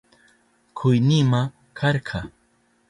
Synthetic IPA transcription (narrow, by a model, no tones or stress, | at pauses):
kʰʊjnima | kʰɑɾqʰɑ